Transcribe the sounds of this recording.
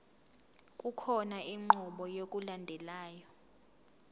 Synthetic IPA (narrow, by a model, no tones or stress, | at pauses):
kʼukʰɔnaiŋ͡ǃuɓɔjok̬ʼulandʱɛlaːjɔ